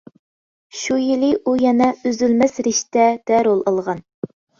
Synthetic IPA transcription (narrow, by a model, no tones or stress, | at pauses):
ʃujilɪʔujɛnɛøzylmɛsɾɪʃt̪ɛd̪̥ɛɾolˠɑlˠʁɑn